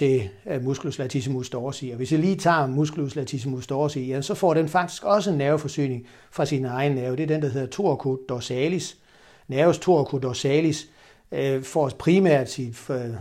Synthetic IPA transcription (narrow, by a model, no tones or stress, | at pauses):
e̝musɡ̥luslæt͡sʰisimusd̥ɒːsiːɒʋe̝sd̥iliːt͡sʰɑ̰̈ːmusɡ̥loslæt͡sʰis̬imusd̥ɒːsijæmnsɒ̽fɒ̰ːɾenfɑ̈ɡ̥̚d̥i̥sɡ̥ɒ̽səenːæʊfɒ̽sy̰ːne̝ŋ | fʁɑ̈sinəɑ̈ɪnənæɐʊd̥e̝æɐd̥end̥æ̈he̝ðˠɐt͡sʰo̝ɐ̰kʰod̥ɒsɛlis | næɐʊst͡sʰo̝ɐkʰod̥ɒsɛːlis | fɒpʰʁimæɐ̰d̥si